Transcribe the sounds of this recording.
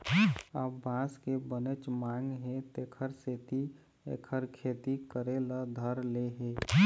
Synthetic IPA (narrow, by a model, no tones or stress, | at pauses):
abãːskebənet͡ʃmãːŋɡɦẽt̪ekʰəɾseːt̪i | ḛːkʰəɾkʰeːt̪ikəɾeləd̪ʱəɾleɦeː